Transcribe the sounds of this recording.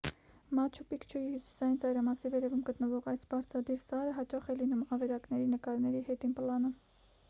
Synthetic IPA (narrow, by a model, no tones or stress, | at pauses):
mɑt͡ʃʰupikt͡ʃʰujihusi̥sɑjint͡sɑjɾɑmɑsivɛɾɛvumɡət̪nəvɔʁɑjsbɑɾt͡sʰɾɑd̪iɾsɑɾəɦɑt͡ʃɑχɛlinumɑvɛɾɑknɛɾinəkɑɾnɛɾihɛt̪inpəlɑnum